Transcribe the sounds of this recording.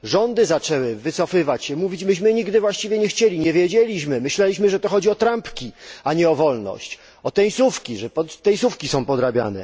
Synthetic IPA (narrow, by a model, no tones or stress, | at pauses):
ʐɔnd̪ɘzat͡ʂɛwɘvɘsɔfɘvat͡ɕɕɛmuvʲid͡ʑmɘɕmɘɲiɡd̪ɘvwaɕt͡ɕivʲjɛɲɛxt͡ɕelʲiɲɛvʲjɛd͡ʑelʲiɕmɘmɘɕlɛlʲiɕmɘʐɛt̪ɔxɔd͡ʑiɔt̪ɾampkʲiaɲɛɔvɔlnɔ̰ɕt͡ɕ | ɔt̪ɛj̃sufkʲiʐɛpɔt̪ːɛj̃sufkʲisɔ̃w̃pɔd̪ɾabʲja̰nɛ̰